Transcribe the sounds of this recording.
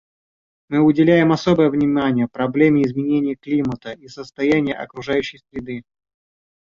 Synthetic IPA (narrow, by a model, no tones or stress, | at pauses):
mɨʊdʲɪlʲæjɪmɐso̞bəjəvnʲɪmanʲɪjəpɾɐblʲemʲɪɪzmʲɪnʲenʲɪjəklʲimət̪əisəst̪ɐjænʲɪjə̰ʔɐ̰kɾʊʐajʉɕːɪjsɾʲɪd̪ɨ